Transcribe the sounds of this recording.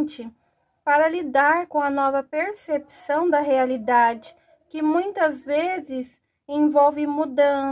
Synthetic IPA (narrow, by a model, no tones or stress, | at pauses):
t͡ʃɪ | paɾɐlid̪aɾkõɐnɔvɐpeɾsepsɐ̃w̃d̪ɐɦealid̪ad͡ʒɪ | kɪmũj̃t̪ɐzvezɪz | ẽvɔwvɪmud̪ɐ̃